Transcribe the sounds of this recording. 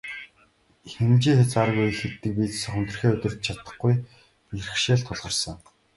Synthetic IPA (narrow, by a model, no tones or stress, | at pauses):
xemt͡ɕiːŋxʲet͡saɾə̆ɣuj̆xet̪ːɘ̆k̚piːt͡ssə̆χɵnt̪ɵ̆rxeːɵt̪ɵ̆r̥t̪̚t͡ɕʰat̪ə̆χɡuj | irɘ̆xʃeːɮt̪ʰʊɮʁə̆rsə̆ŋ